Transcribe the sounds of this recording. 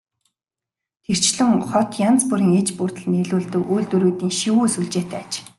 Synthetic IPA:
t̪ʰer̥t͡ɕɮɘ̆ŋχɔt̪jant͡spuɾiːŋet͡ɕpurt̪ə̆ɮneɮuːɮt̪ɘ̆kujɮt̪uɾuːt̪iːŋʃiwuːsuɮt͡ɕeːt̪ʰæːat͡ɕ

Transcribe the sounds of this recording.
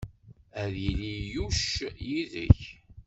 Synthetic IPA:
æðjilijuʃjiðə̰ç

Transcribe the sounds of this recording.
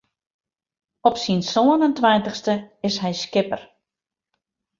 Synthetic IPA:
ɔpsinsoənəntʋɛjntəxstəɪsɦɛjskɪpər

